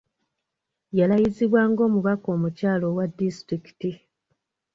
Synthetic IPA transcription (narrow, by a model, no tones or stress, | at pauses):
jalajiziβwaːŋɡo̞ːmuβako̞ːmucaːlo̞wadːistɾiki̥ti